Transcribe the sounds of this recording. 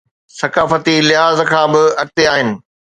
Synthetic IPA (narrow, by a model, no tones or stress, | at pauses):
sɐkaːfət̪ilɪɦaːzkʰãːbɪɐk̚t̪eaːɦɪnɪ̆